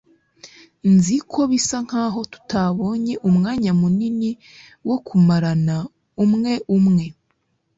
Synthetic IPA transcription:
nzikʰo̞βisaŋ̥haːɦo̞tu̥taβo̞ːɲe̞ʔumŋaːɲamunini | wo̞kʰumaɾana | umŋe̞ʔumŋe̞

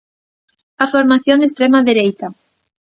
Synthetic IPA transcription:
afoɾmaθjoŋest̪ɾɛmaðeɾejt̪a

